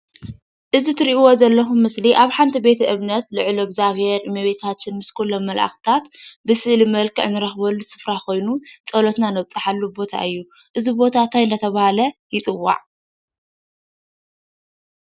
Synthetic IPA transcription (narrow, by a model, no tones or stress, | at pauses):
ʔɨzit̪ʰɨɾiʔwozɐlːɐxumːɨsliʔaβħant̪ʰibe̞t̪ʰɐʔɨβnɐt̪lɨʕloɡzaβhe̞ɾmɐβet̪ʰat͡ʃːɪnmɨskʰulːomːɐlʔa̰xt̪ʰat̪bɨsɨʔlimɐlkʰɨʕnɨɾɐxbɐlːusɨ̥fɾako̞jnut͡sʼɐlot̪nanɐβt͡sʼɨħalːubo̞t̪ʰa̰ʔɨjːu | ʔɨzibo̞t̪ʰat̪ʰajɨnd̪ɐt̪ʰɐβahalɐjɪt͡s̪ʼɨwːa̰ʕ